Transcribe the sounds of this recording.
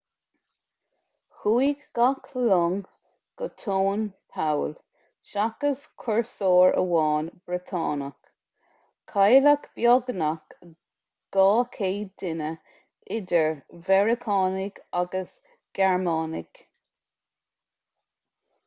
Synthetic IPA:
xuiɡɡ̥akʰlɔŋ | ɡ̥ət̪ʰoːnpʰawl | ʃakəskʰɔɹsoːɹə̰wɑːnb̥ɹɪt̪ʰɑ̰ːnək | kʰajlakb̥jɔɡnak | ɡ̥ɑːkʰeːd̪ɪnə | ɪdəɹvɛɹɪkʰɑːnɪɡ̥aɡəs | ɡ̥ɛɹmɑːnɪ̰ɡ̥

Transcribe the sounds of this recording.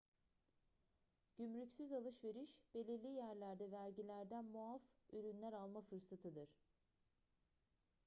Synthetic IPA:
ɟ̥ymɾycsyzalˠɯʃve̞ɾiʃb̥e̞lʲiɾlʲijæɾlʲæɾd̪ɛvæɾɟilʲæɾd̪ænmuafyɾynlʲæɾalˠmafɯɾsat̪ʰɯd̪ɯɾ̥

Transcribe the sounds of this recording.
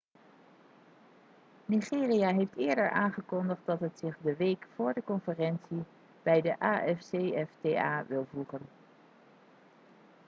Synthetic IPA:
niχɪːrijaɦejftɪːɹdəɹʔaːnχəkɔndəχt̚dɑtɦətsɪχdəʋejkfʊːɹdəkɔnfərɛnsi | b̥ɛjdəʔaːʔɛfsejɛfteːaːʋɪlˠvruχən

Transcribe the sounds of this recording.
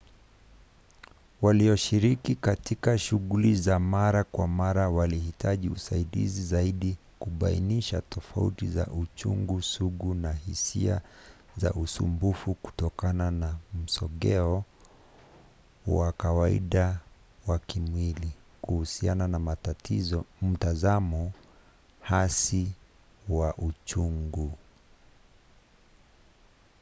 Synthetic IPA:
waliɔʃiɾikikatikaʃuɣulizamaɾakwamaɾawalihitʰaʄiusaiɗḭzizaiɗi | kuɓainiʃa̰tʰɔfa̰ṵtiza̰ʔut͡ʃṵŋɡusuɡunahisia | za̰ʔusṵmbufuku̥tɔkananam̩sɔɠɛɔ | wakawaḭɗa | wakimwilikuhusiananamatim̩tazamɔ | hasi | waʔut͡ʃuŋɡu

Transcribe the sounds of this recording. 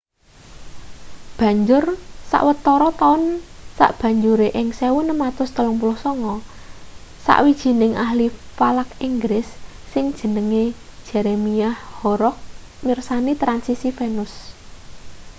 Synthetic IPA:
b̥ä̤ɲd͡ʒʊrsa̰ʔwət̪ɔɾɔt̪aʊnsa̰ʔb̥ä̤ɲd͡ʒuɾeʔɪŋsewʊnəmat̪ʊst̪əlʊŋpulʊhsɔŋɔ | sa̰ʔwid̥ʒ̥i̤nɪŋʔahlifalakiŋɡɾɪsːɪŋd̥ʒ̥ə̤nəŋe̥ʒ̥ɛɾemiahhɔɾɔk̚ | mirsanit̪ɾansisifenʊs

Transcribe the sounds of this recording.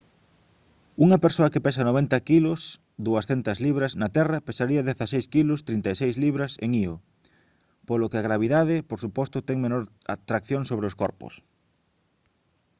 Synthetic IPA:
uŋɐpeɾsoɐkepes̬ɐnoβ̞ent̪ɐkilʊs | d̪uɐsθent̪ɐzliβɾɐznɐt̪ɛrɐpesaɾiɐðeθasejskilʊst̪ɾint̪asejzliβɾɐsḛŋio | polokɪaɣ̞ɾaβ̞iðaðɪpoɾsupɔst̪ʊt̪ɛŋmenoɾ | a̰t̪ɾakθjoŋsoβɾeoskɔɾpʊ̰s

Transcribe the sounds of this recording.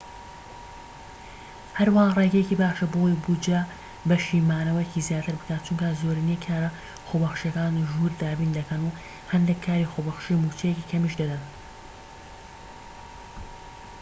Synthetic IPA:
hɐɾwaːnreɡɐjeciːbaːʃɐboːjbud͡ʒa | bɐʃiːmaːnɐwɐjeciːzjaːt̪ʰɨɾbɨkʰaːt̪̚t͡ʃʰuŋkɐzoːɾinjekʰaːɾɐ | xobɐxʃɐkaːnʒuːɾd̪aːbiːnd̪ɐkʰɐnu | hɐnd̪ekʰːaːɾiːxoːbɐxʃimuːt͡ʃʰejecikʰɐmiʃd̪ɐd̪ɐn

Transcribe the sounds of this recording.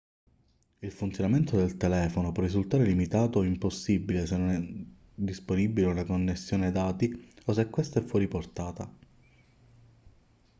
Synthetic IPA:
ilfunt̪sjonament̪od̪elt̪elɛːfonopwɔrːizult̪aːɾelimit̪aːt̪oimposːibːilesenːonɛ | d̪isponibːileunakonːesːjoːned̪aːt̪ios̬ekːwest̪aɛfːwɔːɾiport̪aːt̪a

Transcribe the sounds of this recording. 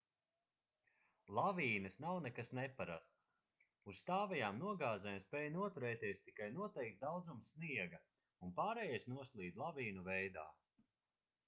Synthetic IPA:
lˠaviːnɨsnawnɛkasnɛpaɾa̰st̪s | usst̪aːvɛjaːmnuɔɡaːzɛjmspɛːjnuɔt̪uɾɛːt̪iɛst̪ikajnuɔt̪ɛjk̚t̪̚d̪awd̪zumsːniɛɡɐ | unpaːɾɛːjɛjsnuɔslˠiːd̪lˠaviːnuvɛjd̪a̰ː

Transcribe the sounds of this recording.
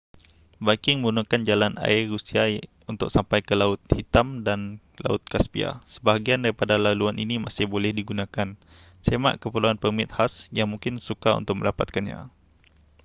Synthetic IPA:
bakɪŋməunakand͡ʒalana̰ɪrusia | unt̪ʊ̰k̚sampajkəlaʊt̪̚hit̪amdan | la̰ʊ̰t̪̚kaspia̰sə̥baɦaɡiandaɾipadalaluanʔinimasɪhbolɛhdiɡunãkan | sema̰ʔkəpəluanpəmɪt̪̚hasjaŋmuŋkɪnsukaṵnt̪ʊk̚mə̰ldapat̪̚kanɲa̰

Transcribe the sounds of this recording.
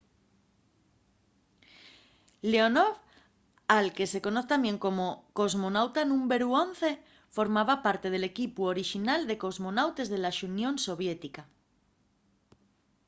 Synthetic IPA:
leonoβ | alke̞se̞ko̞noθet̪amjeŋko̞moko̞zmonawt̪anũmbeɾuonθe̞ | fo̞ɾmaβapaɾt̪e̞ð̞e̞le̞kipuoɾiʃinald̪e̞ko̞zmo̞nawt̪e̞zðe̞laʃunjõ̞nso̞β̞jet̪ika

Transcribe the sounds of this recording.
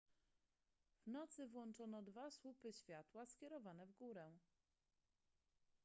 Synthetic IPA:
v̥nɔt̪sɘvwɔnt͡ʂɔnɔd̪vaswupɘɕfʲjat̪waskʲɛɾɔvanɛvɡuɾɛ̃

